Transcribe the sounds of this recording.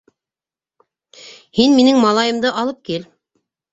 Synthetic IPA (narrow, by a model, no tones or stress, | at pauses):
hinminɘŋmɑlˠɑjɤ̆md̪ɤʔɑlˠɤp̚kil